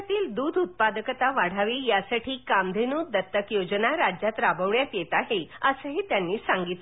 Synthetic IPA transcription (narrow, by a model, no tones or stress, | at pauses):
t̪iːld̪uːd̪ʱut̪̚pad̪əkət̪aʋaɽ̤aʋiːjasaʈʰiːkamd̪ʱenuːd̪ət̪ːəkjod͡ʑənaɾad͡ʑjat̪ɾabəʋɭjat̪jet̪aɦeəsəɦet̪janːiːsaŋɡit̪